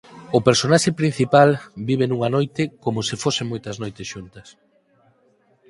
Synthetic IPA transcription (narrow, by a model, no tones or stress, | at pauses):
ʊpeɾsonaʃepɾin̟θipalbiβ̞enuŋanojt̪ɪkomʊsɪfoseŋmojt̪ɐznojt̪ɪsʃunt̪ɐs